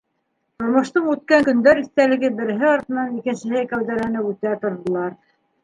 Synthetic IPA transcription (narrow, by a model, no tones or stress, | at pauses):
t̪ŏɾmŏʃt̪ɤɴʉt̪̚kæŋkɵ̆nd̪æɾiθt̪ælɘ̆ɡɘbɘ̆ɾɘ̆ɦɘɑɾt̪ɤ̆nɑnikɘ̆nsɘ̆ɦɘkæwðæɾænɘpʉt̪æt̪ŏɾðɤ̆lˠɑɾ